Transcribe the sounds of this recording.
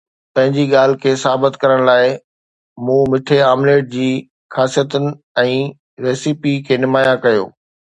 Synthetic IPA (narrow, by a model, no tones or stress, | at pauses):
pɐ̃ɦɪ̃ɲd͡ʑiɠaːl̤ɪ̆kʰeːsaːbɪt̪kɐɾəɽ̃laːɪ | mũːmɪʈʰeaːmleːʈ̚d͡ʑiː | xaːsijət̪ənɪ̆ | ɛ̃ː | ɾeːsipikʰeːnɪmaːjãkɐjo̰ː